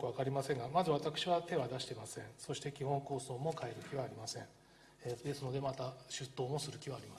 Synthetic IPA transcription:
kɯβakaɾʲimasẽ̞ŋɡamazɨβat̪akɯ̟̥ɕiβat̪e̞βad̪aɕi̥t̪emasẽ̞so̞ɕi̥t̪e̞kʲihõ̞ŋko̞ːso̞ːmo̞kae̞ɾɯ̟kʲiβaːɾʲimasẽ̞ | d̪e̞sɨno̞d̪e̞mat̪aɕɨt̪ːo̞ːmo̞sɨɾɯ̟kʲiβaːɾʲimas

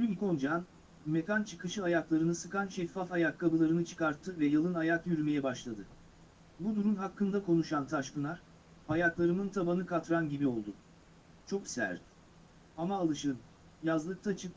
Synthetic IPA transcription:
lʲyko̞nd͡ʒan | me̞kant͡ʃʰɯkɯʃɯajaklˠaɾɯnɯsɯkanʃɛfːafajakʰːabɯlˠaɾɯnɯt͡ʃʰɯ̥kaɾt̪ʰːɯvɛjalˠɯnajakjyɾyme̞jɛbaʃlˠad̪ɯ | bud̪uɾumɦakʰːɯnd̪akʰo̞nuʃant̪ʰaʃkɯnˠaɾ | ajaklˠaɾɯmɯnt̪ʰabanɯkʰat̪ɾanɟibio̞lˠd̪ʊ | t͡ʃʰo̞ksæ̰ɾt̪ | amaːlˠɯʃɯn | jazlˠɯk̚t̪ʰat͡ʃʰɯk

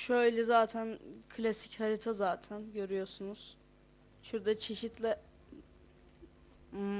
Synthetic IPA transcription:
ʃjlʲɛzaːt̪ʰænkʰlʲasichaɾit̪ʰazaːt̪ʰænɟø̞ɾyjo̞ɾsunuz̥ | ʃuɾd̪at͡ʃʰe̞ʃit̪lʲɛ

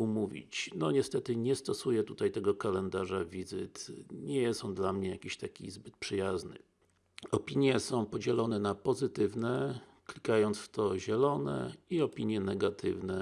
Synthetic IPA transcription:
umuvʲḭt͡ɕnɔɲɛst̪ɛt̪ɘɲɛst̪ɔsujɛt̪ut̪ajt̪ɛɡɔkalɛnd̪aʐavʲizɘt̪ɲɛjɛsɔnd̪lamɲɛjakʲiɕt̪akʲḭzbɘt̪̚pʂɘjaznɘ̰ | ɔpʲiɲjɛsɔ̃w̃pɔd͡ʑɛlɔnɛnapɔzɘt̪ɘvnɛ | klʲikajɔnt̪sft̪ɔʑɛlɔnɛ̰iɔpʲiɲjɛnɛɡat̪ʰɘ̰vnɛ

